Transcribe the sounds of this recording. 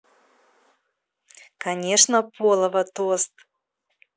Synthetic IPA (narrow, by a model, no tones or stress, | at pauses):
kɐnʲeʂnəpolˠəvət̪ost̪